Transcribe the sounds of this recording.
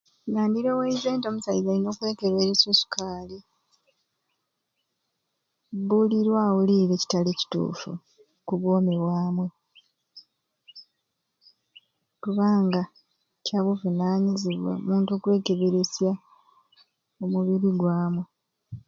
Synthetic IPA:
naːndiɾo̞weize̞ːntomusaizalino̞ːkwe̞ːke̞βe̞ɾesosu̥kʰaːli | buliɾwawuliːɾe̞ːci̥tale̞ci̥tṵːfṵ | kuβwo̞ːmeβwaːmwe̞ | kuβaːŋɡa | caβuvunaːɲiziβwḛomuːntuokwe̞ːke̞βeɾesja | omuβiɾiɡwaːmwe

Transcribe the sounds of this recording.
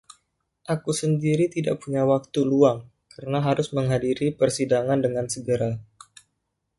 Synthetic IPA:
ʔakusəndiɾit̪ida̰ʔpuɲawak̚t̪uluaŋ | kərənaɦaɾʊsməŋɦadiɾipərsidaŋandəŋansəɡəɾa

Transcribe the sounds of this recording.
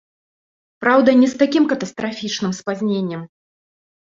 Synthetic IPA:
pɾawd̪ɐnʲɛst̪akʲimkɐt̪ɐst̪ɾafʲit͡ʂnɨmspazʲnʲenʲːɛm

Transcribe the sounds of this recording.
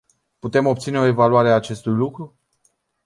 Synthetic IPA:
put̪e̞mo̞p̚t̪sine̞o̞e̞valuaɾeaːt͡ʃe̞st̪ujlukɾu

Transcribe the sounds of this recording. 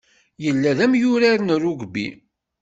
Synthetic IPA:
jəlːæðæmjʊɾaɾnrːʊɡbḭ

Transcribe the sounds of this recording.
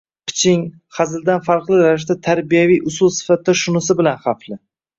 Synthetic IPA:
qʰɪ̥t͡ʃʰɪŋ | χazɪld̪anfaɾqlˠɪɾaɪʃ̬t̪at̪ʰaɾbijavijʔʊsʊlˠsɪ̥fat̪̚d̪aʃʊnʊsɪbɪlanχaflɪ

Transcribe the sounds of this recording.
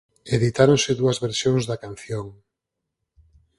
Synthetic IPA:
eðit̪aɾonseðuɐzβeɾsjoŋzðakan̟θjoŋ

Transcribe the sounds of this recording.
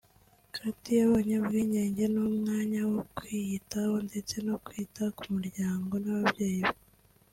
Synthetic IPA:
katijaβaɲabɡiːɲeːɲɟe̞numŋaːɲawo̞kwijitahonde̞t͡se̞no̞kwiːtaku̥muɾɟaːŋɡo̞naβabɟe̞ːjiβe

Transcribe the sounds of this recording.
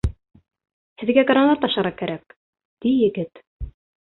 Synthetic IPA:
hɘ̆ðɡæɡɾanˠɑɾt̪ɑʃɑɾɑkæɾʔæk̚ | d̪̥ijɘ̆ɡɘt̪

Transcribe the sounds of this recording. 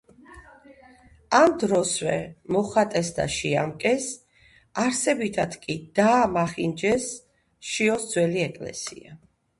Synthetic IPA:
amd̪ɾɔswɛmɔχat̪ʼɛsd̪a̰ʃiamkʼɛs | aɾsɛbit̪ʰad̪̥kʼid̪̥aːmaχind͡ʒɛs | ʃiɔsd̪zwɛliɛkʼlɛ̰sḭa

